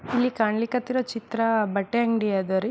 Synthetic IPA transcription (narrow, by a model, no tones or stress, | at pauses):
ilːikaːɳlikɐt̪ːiɾoːt͡ʃit̪ɾɐbɐʈːeɐŋɡɖijaːd̪ɐɾi